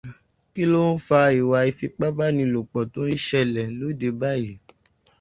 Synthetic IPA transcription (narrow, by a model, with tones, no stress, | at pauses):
ki˦lo˦n̩˦fa˧i˨wa˧i˧fi˧k͡pa˦ba˦nĩ˧˨lo˨k͡pɔ˨to˨˦n̩˦ʃɛ˧lɛ˨˦lo˨˦˨de˧ba˦˨ji˨